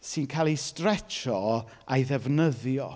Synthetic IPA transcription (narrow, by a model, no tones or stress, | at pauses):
sɨnkʰaːlˠistrɛt͡ʃɔ | ajðɛvnəðjɔ̰